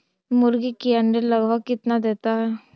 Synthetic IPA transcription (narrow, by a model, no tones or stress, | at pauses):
mʊɾɡikiəɳɖələɡʋakɪt̪nad̪eːt̪aɦɛ